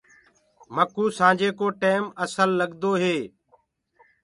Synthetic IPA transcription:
məkuːsãːd͡ʒeːkoːʈeːməsəlːəɠd̪oːɦeː

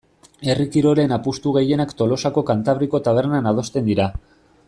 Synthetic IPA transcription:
e̞rikiɾo̞ɾe̞napust̪uɣ̞e̞je̞nakt̪o̞lo̞sako̞kant̪aβ̞ɾiko̞t̪aβ̞e̞ɾnanað̞o̞st̪e̞nd̪iɾa

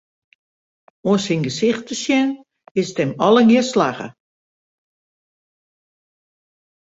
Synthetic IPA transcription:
oənsinɡəsɪxtəsjɛn | ɪstɛmɔləɡiəslaxə̰

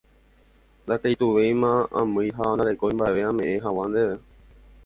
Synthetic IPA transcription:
nd̪akejt̪uʋejmãʔã̰mɨ̃jɦand̪aɾe̞koĩmbaeʋe̞ãmẽ̞ʔẽɦawand̪eʋe

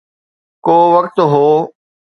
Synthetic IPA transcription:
koːʋɐkt̪ɦoː

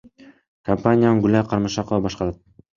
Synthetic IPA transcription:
kʰampanʲɪjanɡʊlʲajqʰɑɾmɑʃɑqovɑbɒʃqɑɾad̪̚

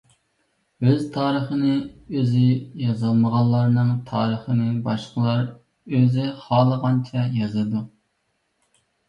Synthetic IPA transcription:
øzt̪ʰɑːɾəχənɨøzɪjɑzɨlˠməʁɑllˠːɑɾnɨŋt̪ʰɑːɾəχənɨbɑʃqəlˠɑɾ | øzɪχɑːlˠəʁɑnt͡ʃʰɛjɑzɨd̪u

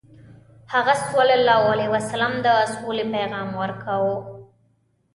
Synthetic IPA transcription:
haɣasolalɑwaliwasalamd̪əsolepajɣɑmwəɾkawo

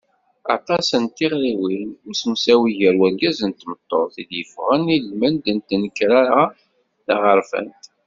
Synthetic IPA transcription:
ɑ̰t̪ˤɑsənt̪ːiʁɾiwinsmusæwiʝəɾwæɾɡæzənt̪mət̪ˤːoɾˤθid̪jəfʁənilmænd̪ənt̪nəkːɾaɾa | θaʁəɾfæ̰nt̪

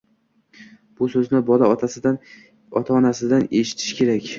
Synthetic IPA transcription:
b̥ʊsɵznɪbɒlaɒt̪ʰasɪd̪an | ɒ̰t̪ʰaɒnasɪd̪aneʃɪ̥t̪ʰɪ̥ʃkʲʰe̞ɾakʲ

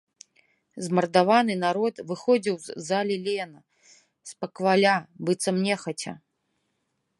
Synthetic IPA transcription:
zmɐrd̪avanɨnaɾɔt̪vɨxɔd͡zʲiwzalʲɛlʲɛnɐ | spɐkvalʲabɨt̪sɐmnʲɛxɐt͡sʲɐ̰

